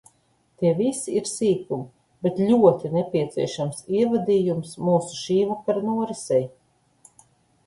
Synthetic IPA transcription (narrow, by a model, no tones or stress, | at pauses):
t̪iɛvisiiɾsiːkum | bet̪lʲuɔt̪inɛpʲiɛt̪siɛʃamsiɛvad̪iːjumsmuːsu̥ʃiːvukaɾnuɔɾɛsɛj